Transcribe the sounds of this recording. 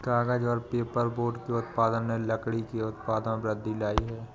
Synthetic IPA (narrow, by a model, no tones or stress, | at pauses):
ɡaːɡəd͡ʒɔːɾpeːpəɾboːɖkeʊt̪paːd̪ənːeləkɽikeʊt̪paːd̪ənbɾəd̪ːilaːiɦɛː